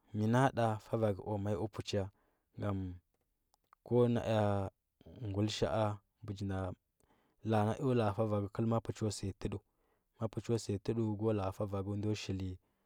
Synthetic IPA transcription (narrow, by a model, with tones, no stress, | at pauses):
mi˨na˦ɗa˨fa˦va˨ɡṵ˨ʔo˨ma˦ju˦pu˨t͡ʃja˦ | ŋɡa˨m | ko˦na̰˨ʔa˦ | ŋɡu˨lʃa̰˦ʔa˦ | bu˨d͡ʒi˨na˨ | la˨na˦ʔu˦la˨fa˦va˨ɡə˦kə˦lma˦pu˨t͡ʃo˦se˨tə˦ɗu˦ | ma˦pu˨t͡ʃo˦se˨tə˦ɗu˦ɡo˦la˨fa˦va˨ɡu˦n˦do˦ʃi˨li˦